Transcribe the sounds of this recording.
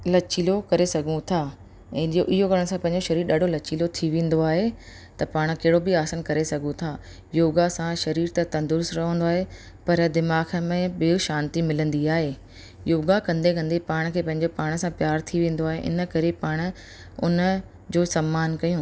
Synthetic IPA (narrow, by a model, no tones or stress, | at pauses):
lɐt͡ɕilokɐɾesɐɡʱũt̪ʰãː | oʔɪɦokɐɾəɽ̃sãpɐ̃ɦɪ̃ɲd͡ʑoʃɐɾiːɾɗaːɖ̤ʱolɐt͡ɕiːlot̪ʰiʋẽːn̆d̪oaːɦe | t̪ɐpaːɽ̃keɦɪɽobɪaːsənkɐɾesɐɡʱũt̪ʰaː | joːɡasãʃɐɾiːɾt̪ɐt̪ɐ̃nd̪ʊɾsɾɐɦə̃n̆d̪oaːɦe | pɐɾd̪ɪmaːxmẽbɪoʃãːnt̪imɪlə̃nd̪iaːɦeː | joːɡakɐ̃nd̪ekɐ̃nd̪epaːɽ̃kʰeːpɐ̃ɦɪ̃ɲd͡ʑopaːɽ̃̆sãpjaːɾt̪ʰiʋẽːn̆d̪oaːɦḛʔɪ̰nə̆kɐɾepaːɽ̃ʊ̆ | ʊ̰nə | d͡ʑoːsɐmːaːnkɐjũː